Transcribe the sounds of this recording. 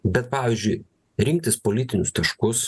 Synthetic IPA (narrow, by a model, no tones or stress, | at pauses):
bʲɛt̪̚pɑːʋʲizʲd͡ʒʲʊɪ | ɾʲɪŋkt̪ʲɪspoːlʲɪt̪ʲɪnʲʊst̪ɐʃkʊs